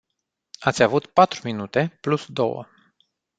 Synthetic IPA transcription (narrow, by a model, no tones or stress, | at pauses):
at̪sʲavut̪pat̪ɾuminut̪e̞plusd̪o̞̰wə̰